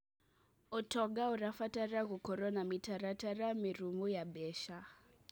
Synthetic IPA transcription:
ɔtɔɡauɾafataraɣukɔɾɔnamitaɾataramiɾumujabɛʃa

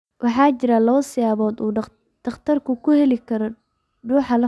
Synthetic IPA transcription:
wʔɑħɑːt͡ʃɪɾalɐβɐsɪjaːβɔːd̪uː | d̪̥ɐχt̪ʰɐrkʰʊkʰʊhɛlɪkʰɐɾɔ | ɖuːħɑlɐ

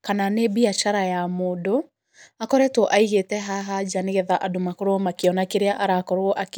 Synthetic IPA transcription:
kananebiat͡ʃaɾajamoːdo | akɔɾɛtwɔʔaiɣetɛɦaɦad͡ʒaneɣɛðaʔadomakoɾomakeɔnakeɾeaʔaɾakɔɾoʔak

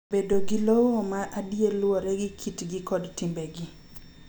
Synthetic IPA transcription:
bedoɡilowomaʔadjelwɔɾɛɡɪkʰitɡɪkɔdtɪmbɛɡɪ

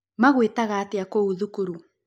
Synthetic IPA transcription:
maɣwetaɣaːteakouðukuɾu

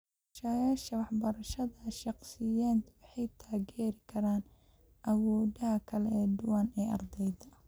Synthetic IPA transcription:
ʊʃajaːʃɐwɑħbɐɾɐʃɐðɐʃɑqsɪjaːd̪wɑħɑjt̪ʰaːɣɛːɾɪkʰɐɾaːn | ʔɐwɔːðɐɦɐkʰɐlɛɛːd̪ʊwaːnɛːʔɐrd̪ɛjd̪ɐ

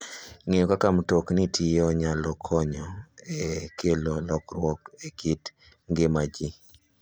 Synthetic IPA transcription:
ŋejɔkakamtoknɪtʰɪjɔɲalɔkʰɔɲɔekʰelolɔkɾwɔkekit | ŋɡɪmad͡ʒi

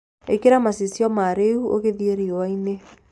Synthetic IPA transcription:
ekeɾamasisjɔmaɾeuʔo̰ɣeðieɾiowaine

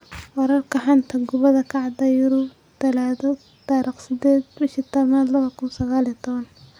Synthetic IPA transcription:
wɐɾɐrkɐħant̪ʰɐɡʊβɐðɐkʰɑʕd̪ɐjʊɾʊ | d̪̥ɐlaðɔ | t̪aːɾiːχsɪd̪ɛːd̪bɪʃit̪ɐmad̪lɐβɐkʊnsɐɣaːlit̪ʰɔβɐn

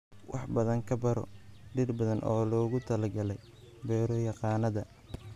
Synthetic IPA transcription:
wʔɑ̰ħbɐðɐŋkʰɐbɐɾɔ̰ɖɪrbɐðɐnʔɔːlɔːɣʊt̪ʰɐlɐɡɐlɛj | bɛːɾɔjɑqɑːnɐðɐ

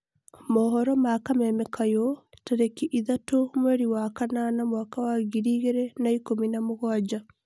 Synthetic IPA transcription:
mɔːɦɔɾɔmakamɛmɛkʰajɔ | taɾekiʔiðatomweɾiwakananamwakawaɣiɾiːɣeɾɛnaikominamoɣɔad͡ʒa

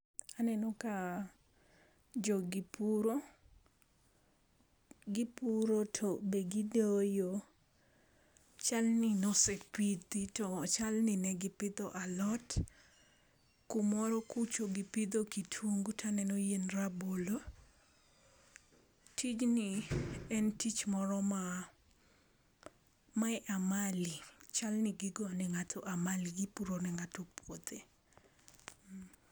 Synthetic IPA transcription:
anɛnɔka | d͡ʒoɡipuɾo | ɡɪpuɾotʰobeɡidojo | t͡ʃalnɪnɔsepid̪itɔt͡ʃalnɪnɛɡɪpɪd̪ɔʔalɔt | kʊmɔɾɔkut͡ʃoɡɪpɪd̪okitʰwoŋɡutʰanɛnojenrabolo | tʰit͡ʃniɛntit͡ʃmɔɾɔma | maɛʔamalit͡ʃalnɪɡɪɡɔnɛŋatʰɔʔamaliɡipuɾonɛŋatopʰwod̪e

